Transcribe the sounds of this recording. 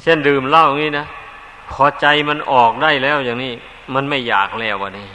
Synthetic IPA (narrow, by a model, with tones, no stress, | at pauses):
t͡ɕʰe˥˩ndɯː˨˧˩mla˧˥˩wa˧˩ŋniː˦˥˨na˦˥˩ | kʰɔː˨˦t͡ɕa˧jma˧nʔɔː˨˩k̚daː˥˩jlɛː˦˥˩wjaː˨˩ŋniː˦˥˩ | ma˧nma˥˩jːaː˨˩k̚lɛː˧˥˩wːaː˧˩nːiː˧˥˩